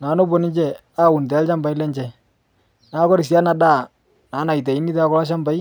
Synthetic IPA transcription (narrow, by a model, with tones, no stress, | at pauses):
naː˨˦no˦bɔ˦˨nɪ˦d͡ʒɛ˦ | aː˦˨u˨nd̪ɛ˨a˦lt͡ʃa˦mba˨jlɛ˦ɲt͡ʃɛ˨ | naː˨˦kɔ˦ɾɪ˨s̬ja˦na˨ɗaː˦˨ | naː˨˦na˨jt̬a˨i˦ni˦ta˦kɔ˦la˦ʃ̬a˦mba˨j